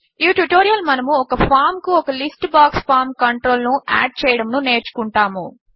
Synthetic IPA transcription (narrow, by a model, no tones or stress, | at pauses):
iʈuʈoːɾijɐlmɐnɐmuɔkɐpʰaːɾmkuɔkɐlisʈbaːkspʰaːɾmkɐɳʈɾo̞ːlnuʔa̰ːɖ̚t͡ʃɛːjɐɽɐmnune̞ːɾt͡ʃu̥kuɳʈaːmṵ